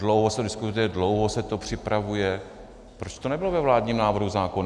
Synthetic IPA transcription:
dlowɦosɛdɪskut̪ujɛdlowɦosɛt̪o̞pr̝̥ɪpɾavujɛ | pɾot͡ʃt̪onɛbɪlovɛvlaːdɲiːmnaːvr̩ɦuzaːkona

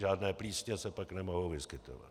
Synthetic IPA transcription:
ʒaːdnɛːpliːsɲɛsɛpaknɛmo̞ɦowvɪskɪt̪o̰va̰t̪

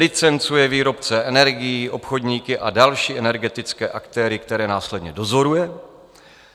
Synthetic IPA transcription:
lɪt͡sɛnt͡sujɛviːɾo̞pt͡sɛʔɛnɛɾɡɪjiːʔo̞pxo̞dɲiːkɪʔadalʃiːʔɛnɛɾɡɛt̪ɪt͡skɛːʔakt̪ɛːɾɪkt̪ɛɾɛːnaːslɛdɲɛdo̞zo̞ɾujɛ

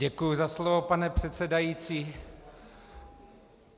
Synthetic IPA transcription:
ɛkujuzaslovopanɛpr̝̥ɛt̪sɛdajit͡siː

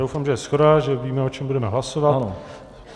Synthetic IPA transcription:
do̞wfaːmʒɛjɛsxodaʒɛviːmɛo̞t͡ʃɛmbudɛmɛɦlaso̞vano

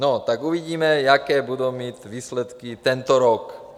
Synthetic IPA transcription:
nɔt̪aɡuʋiɟiːmɛjakɛːbud̪uːmitʋiːslɛt̪kit̪ɛnt̪ɔɾɔk

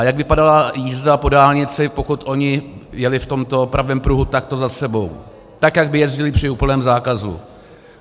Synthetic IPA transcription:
jaɡvɪpadalajiːzdapo̞daːlɲɪt͡sɪpokut̪ʔo̞ɲɪjɛlɪft̪o̞mt̪oopɾʔavɛːmpɾuɦut̪ak̚t̪o̞zasɛbo̞w | t̪akjaɡ̚bɪjɛzɟɪlɪpr̝̥ɪuːpl̩nɛːmzaːkazṵ

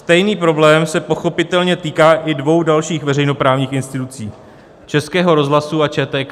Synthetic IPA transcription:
st̪ɛjniːpɾo̞blɛːmsɛpo̞xo̞pɪt̪ɛlɲɛt̪iːkaːʔɪdvo̞wdalʃiːxvɛɾɛjno̞pɾaːvɲiːxɪnst̪ɪt̪ut͡siː | t͡ʃɛskɛːɦo̞ɾo̞zɦlasuat͡ʃɛːt̪ɛːk

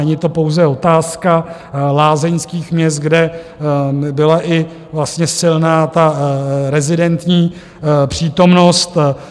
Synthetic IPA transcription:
ɛɲɪt̪o̞po̞wzɛo̞t̪aːska | laːzɛɲskiːxmɲɛs̬t̪̚ɡdɛ | bɪlaʔɪ | vlast̪ɲɛsɪlnaːt̪aɾɛzɪdɛnt̪ɲiː | pr̝̥iːt̪o̞mno̞st̪

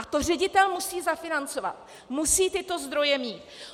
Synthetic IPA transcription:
at̪or̝ɛɟɪt̪ɛlmusiːzafɪnant͡so̞va̰t̪̚ | musiːt̪ɪt̪o̞zd̪ɾo̞jɛmiːt̪

